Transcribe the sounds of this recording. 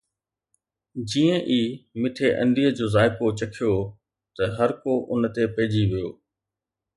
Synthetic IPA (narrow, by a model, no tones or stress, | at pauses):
d͡ʑiːə̃ʔiːmɪʈʰeʔɐ̰̃nd̪ʱiːəd͡ʑoːzaːɪkot͡ɕɐkʰijo | t̪ɐɦɐɾkoʔʊnt̪epɐɦɪd͡ʑiʋijoː